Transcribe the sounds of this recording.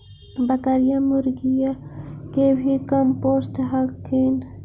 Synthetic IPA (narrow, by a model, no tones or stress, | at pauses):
bakaɾjamuɾɡijakebʱikampost̪ɦakʰin